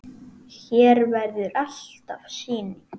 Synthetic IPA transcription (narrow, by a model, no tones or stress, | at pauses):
çɛːɾvɛɾðʏɾal̥t̪avsiːnɪ